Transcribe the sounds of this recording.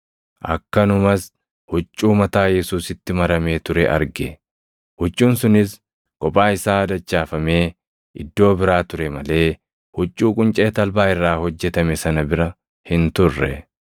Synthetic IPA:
ʔɐ̰kːɐnʊmɐs | hʊt͡ʃʼːuːmɐt̪aːjɛsuːsɪt̪ːɪmɐɾɐme̞ːt̪ʊɾɛʔɐ̰ɾɡɛ | hʊt͡ʃʼːuːnsʊnɪs | kʼɔpʼaːɪsaːd̪ɐt͡ʃːaːfɐme̞ː | ɪd̪ːo̞ːbɪɾaːt̪ʊɾɛmɐle̞ː | hʊt͡ʃʼːuːkʼʊnt͡ʃʼe̞ːt̪ɐlbaːɪrːaːhɔd͡ʒːɛt̪ɐmɛsɐnɐbɪɾɐ | hɪnt̪ʊrːɛ̰

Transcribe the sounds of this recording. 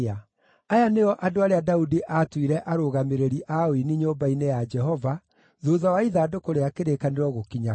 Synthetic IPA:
a | ajaneɔʔadoaɾeadaudiʔatwiɾɛʔaɾoɣameɾeɾiʔaoiniɲombainejad͡ʒɛɦɔva | ðoːðawaiðaːdokoɾeakeɾekaneɾɔɣokiɲa

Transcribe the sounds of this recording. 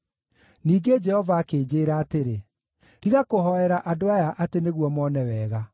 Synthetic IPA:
niːɡed͡ʒɛhɔvaːkeːd͡ʑeːɾaːteɾe | tiɣakoɦɔɛɾaʔadoajaʔateneɣwɔmɔnɛwɛːɣa

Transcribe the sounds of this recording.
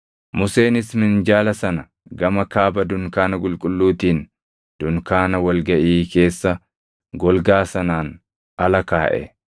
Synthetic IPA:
mʊse̞ːnɪsmɪnd͡ʒaːlɐsɐnɐ | ɡɐmɐkaːbɐd̪ʊŋkaːnɐɡʼʊlkʼʊlːuːt̪iːn | d̪̥ʊŋkaːnɐwɐlɡɐʔiːke̞ːsːɐ | ɡɔlɡaːsɐnaːn | ʔɐlɐkaːʔɛ̰

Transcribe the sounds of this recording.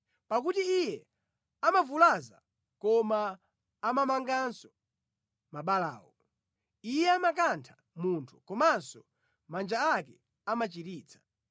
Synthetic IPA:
pak̬utiijɛ | amavulaza̰ | kɔmaː | mamaŋɡansɔ̥ | maɓala̰ːwɔ | ijɛamak̬antʰḁ | muntʰu̥kɔmansɔ | mand͡ʒaakɛ | amat͡ʃiɾiːt͡sʰḁ

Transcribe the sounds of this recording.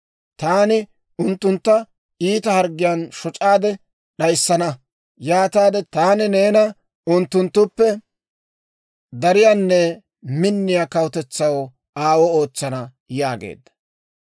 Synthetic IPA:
t̪aːnɪ | ʊnt̪ːʊnt̪ːɐ | iːt̪ɐhɐɾɡɪjanʃɔt͡ʃʼaːd̪ɛ | ɗɐjsːɐnɐ | jaːt̪aːd̪ɛt̪aːnɪne̞ːnɐ | ʊnt̪ːʊnt̪ːʊpːɛ | d̪ɐɾɪjaːnːɛ | mɪnːɪjakɐwt̪ɛt͡sːɐw | aːwɔo̞ːt͡sːɐnɐ | jaːɡḛːd̪ːɐ̥

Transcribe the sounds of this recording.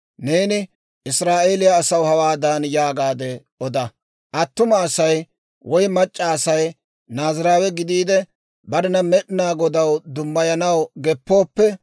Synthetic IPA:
ne̞ːnɪ | ʔɪsɾaːʔeːlɪjɐːsɐwhɐwaːd̪anjaːɡaːd̪ɛ | ʔɔd̪ɐ | ʔɐt̪ːʊmɐːsɐj | wɔjmɐt͡ʃʼːɐːsɐj | naːzɪɾaːwɛɡɪd̪iːd̪ɛ | bɐɾɪnɐmɛɗɪnaːɡɔd̪ɐwd̪ʊmːɐjɐnɐwɡɛpːo̞ːpːɛ

